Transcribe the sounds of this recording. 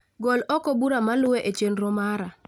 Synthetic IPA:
ɡɔlɔkɔbuɾamalʊweʔet͡ʃenɾɔmaɾa

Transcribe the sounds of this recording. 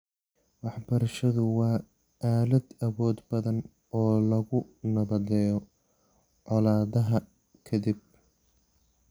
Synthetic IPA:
wɑħbɐɾɐʃɐðʊwɑː | aːlɐd̪ɐβɔːd̪bɐðɐn | ɔːlɐɣʊnɐβɐd̪ɛːjɔ | ʕɔlaːðɐɦɐ | kʰɐd̪ib̚

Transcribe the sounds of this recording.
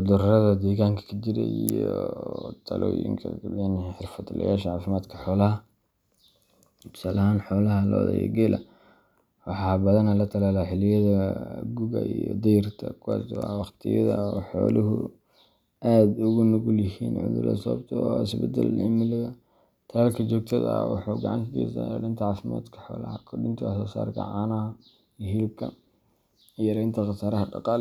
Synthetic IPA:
d̪ʊɾrɐðɐd̪ɛːɣaːŋkʰɐ̥kʰɐt͡ʃɪɾɛ̰ʔijɔt̪ʰɐlɔjɪ̰ɾɪ̰ŋkʰɐ̰aniħɪrfɐd̪lɐ̰jaːʃɐʕaːfɪmaːd̪kʰɐħɔːlɐɦɐ | bsaːlʔɐɦaːnħɔːlɐɦɐlɔ̰ːðɐ̰jɐ̰ɡɛlʔɐ̰ | wɑħɑːbɐðɐnɐlɐt̪ʰɐlaːlaħɪlɪjɐðɐɡʊɣɐ̰ijɔd̪ɐjɐrt̪ʰɐkʰʊwa̰ːswɑwɑqt̪ʰɪjɐ̰ðɐɔħɔːlɐɦʊ | aːd̪ʊɣʊnʊɣʊljɪhiːnʕʊ̰ðʊ̰rɐ̰sɔbt̪ʰɔɪsbɛd̪ɐlʔɪmɪlɪðɐ | t̪ʰɐlaːlkʰɐt͡ʃɔːɡ̚t̪ʰɐðɐ̰wɑ̰ħuɡɐʕɑnt̪ɪt̪ḭːsa̰ɾɪnt̪ʰɐʕɑːfɪma̰ːd̪kʰɐ̥ħɔːlɐ̰hɐkʰʊɖʊnt̪ʰɐwɑħsɔːsa̰ːɾkʰɐ̰ʕɑːnɐɦɐ | ɦɪlɪb̚kʰɐ | jɐɾɛjnt̪ʰɐqɑsaːɾɐɦɐɖɑqɑːl

